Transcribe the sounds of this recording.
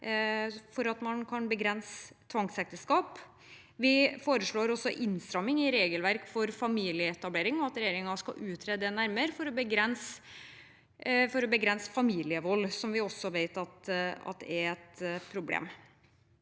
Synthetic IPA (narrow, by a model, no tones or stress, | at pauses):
fɔɾɑt̪mɑnkʰɑnbəɡɾɛnsət̪ʰʋɑŋsɛk̚t̪əskɑːp | ʋɪfoːɾəʂɭoːɾɔsːɔʔɪnst̪ɾɑmːɪŋɪɾeːɡəlʋæɾkfɔɾfɑmiːlɪəɛt̪ɑbleːɾɪŋɔɑt̪ɾɛjeːɾɪŋɑskɑ̰ʔʉːt̪ʰɾɛd̪ənæɾməɾfɔɾɔbəɡɾɛns | fɔɾɔbəɡɾɛnsə̥fɑmiːlɪəʋɔlːsɔmʋɪɔsːɔʋeɪt̪ɑt̪ɑ̰t̪̚d̪ɛæɾɛt̪pʰɾʊblḛːm